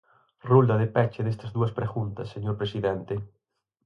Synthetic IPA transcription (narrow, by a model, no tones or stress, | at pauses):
ruld̪ɐðepɛt͡ʃeðest̪ɐzðuɐspɾeɣunt̪ɐsːeɲoɾpɾesiðent̪e